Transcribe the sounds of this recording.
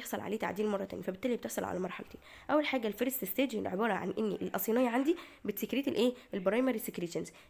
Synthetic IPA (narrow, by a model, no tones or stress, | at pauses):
eħsˤɑlʕa̰leːt̪a̰ʕd̪iːlmɑrˤːɑt̪æ̰ːnjifæbet̪ːæːlibet̪eħsˤɑlʕa̰læmɑɾˤħa̰lt̪eː | ʔæwːælħaːɡælfeɾest̪est̪æːd͡ʒiʕebɑːɾˤɑʕa̰nʔenːiʔelʔɑ̰sˤiːnejːɑʕand̪ibet̪sekɾiːt̪elʔeːelbɑɾˤɑjmæɾisekɾiːænz